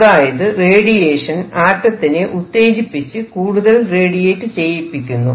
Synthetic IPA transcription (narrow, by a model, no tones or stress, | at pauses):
ðaːjɐðɨre̞ːɽije̞ːʂɐnaːtːɐt̪ːineʔut̪ːe̞ːd͡ʑipːit͡ɕːɨkuːɽuðɐlre̞ːɽijeːtːɨt͡ɕe̞jipːikʲːunːu